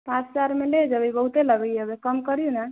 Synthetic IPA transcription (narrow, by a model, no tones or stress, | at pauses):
pãt͡ʃt͡ʃaɾmeled͡ʒəbibəɦut̪eləɡəjəbekəmkəɾijuna